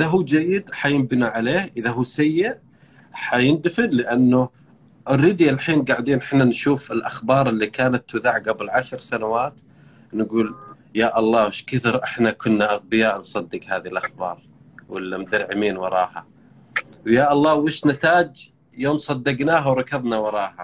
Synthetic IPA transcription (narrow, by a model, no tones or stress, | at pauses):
ʔɪðaɦuːd͡ʒajːɪd̪ħajɪmbɪnaʕaleːhʔɪðaɦuːsajːɪʔ | ħajɪnd̪fɪnlɪʔanːʊ | ʔɪrːɪd̪jalħiːnɡaʕd̪iːnʔɪnanʃuːfɪlʔaxbɑːɾˤɪlːikaːnat̪ːʊðaʕɡabɪlʕaʃɾsanawaːt̪ | nɡuːl | jaːʔɑlˤːɑːwɪʃkɪθɪɾʔɪħnakʊnːaʔaɣbɪjaːʔnsˤɑd̪ːɪɡhaːðilʔaxbɑ̰ːɾˤ | wɪlːmd̪aɾʕɪmiːnwɑɾˤɑ̰ːha̰ | wjaːʔɑlˤːɑːwɪːʃnat̪aːd͡ʒ | joːmsˤɑd̪ːɪɡnaːɦawɾˤɑkɑðˤnawɑɾˤɑːha